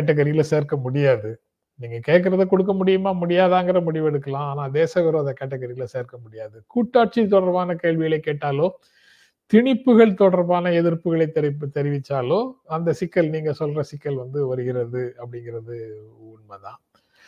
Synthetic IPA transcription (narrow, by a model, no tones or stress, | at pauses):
ɐʈ̬ːɐɣɐɾɪjɪlseːɾkɐmʊɽɪjaːðɯ | niːŋɡɐkeːʈk̬ːɪɾɐðɯkɔɽɯk̬ːɐmʊɽɪjɯmaːmʊɽɪjaːðaːŋɡɪɾɐmʊɽɪʋɛɽɯkːɐlãːaːnaːd̪eːsɐʋɛɾoɐðɐkɐʈːɐɣɐɾɪjɪlɐseːɾkɐmʊɽɪjaːðɯkuːʈːaːʈ̚t͡ʃit̪̬ːɔɽɐɾʋaːnɐkeːɭʋɪɣɐɭɐɪkːeːʈːaːloː | t̪ɪɳɪpːɯɣɐɭt̪ɔɽɐɾʋaːnɐɛðɪɾpɯɣɐɭɐɪt̪ːɛɾɪpːt̪ːɛɾɪʋɪt͡ʃːaːloːɐnd̪ɐsɪkːɐlniːŋɡɐsɔlrɐsɪkːɐlʋɐnd̪ɯʋɐɾɯɣɪɾɐðɯɐpːɐɽɪŋɡɪɾɐðɯʊɳmɐt̪ã̰ː